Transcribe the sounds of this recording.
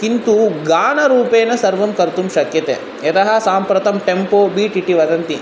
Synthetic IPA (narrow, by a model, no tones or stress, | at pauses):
kint̪uɡaːɳɐɾuːpeːnɐsɐɾʋɐmkɐɾt̪umʃɐkjɐt̪ḛː | ɐt̪ɐɦɐsaːmpɾɐt̪ɐmʈempoːbiːʈiʈiʋɐd̪ɐnt̪i